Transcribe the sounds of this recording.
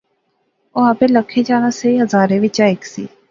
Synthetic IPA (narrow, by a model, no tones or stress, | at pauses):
oapẽːləkʰːeːd͡ʒaːnaːseiɦəzaːɾẽːʋɪt͡ʃaːɪksḭː